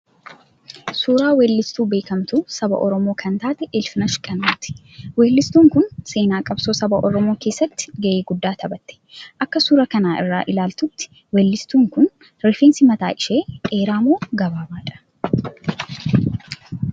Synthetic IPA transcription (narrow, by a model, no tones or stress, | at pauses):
suːɾaːweːlːɪst̪uːbe̞ːkɐmt̪uːsɐbɐ̰ʔɔɾɔmoːkʰɐnt̪aːt̪ɛʔelfɪnɐʃkʼɐnaːt̪ɪ̥ | weːlːɪst̪uːŋkʊnse̞ːnaːkʼɐb̥soːsɐbɐʔɔɾɔmo̞ːke̞ːsːɐt̪ːɪ̥ɡɐʔeːɡʊd̪ːaːt̪ʰɐbɐt̪ːɛ̥ʔɐkːɐsuːɾɐkɐnaːʔɪ̰rːaːʔɪlaːlt̪ʊt̪ːɪ̥ | wɛːlːɪst̪uːŋkʊn | ɾɪfeːnsɪmɐt̪a̰ːʔɪʃeːeːɾaːmoːɡɐbaːbaːᶑɐ̥